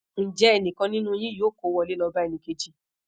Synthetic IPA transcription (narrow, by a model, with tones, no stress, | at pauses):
n̩˨d͡ʒɛ˦ɛ˨nĩ˨kã˧nĩ˦nũ˦j̃ĩ˦joː˨˦˨ko˨˦wɔ˧˨le˦lɔ˧ba˦ɛ˨nĩ˧ke˧d͡ʒi˦